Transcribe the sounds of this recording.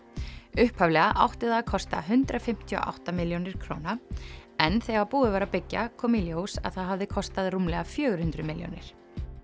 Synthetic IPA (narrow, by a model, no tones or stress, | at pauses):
ʏhphavlɛɣaʔawht̪ɪðakʰɔst̪a̰ɦʏnt̪ɾafɪm̥t̪ʰiɔ̰ʔa̰wht̪amɪljownɪɾ̥kʰɾo̰wnaɛnθeɣapuːðɪvaːɾapɪcːa̰kʰɔmiljowsa̰ðθaðɦavðɪkʰɔst̪aðrumlɛɣafjœːɣʏɾ̥hʏnt̪ɾʏmɪljo̰wnɪ̰ɾ̥